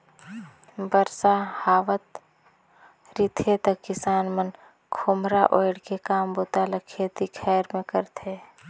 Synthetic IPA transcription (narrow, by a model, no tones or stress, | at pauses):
bəɾsahaːʋət̪ | ɾit̪ʰet̪əkːɪsaːnmən | kʰoːmɾaʔoːɪɽkekaːmboːt̪aləkʰet̪ikʰɛːɾmẽkəɾt̪ʰe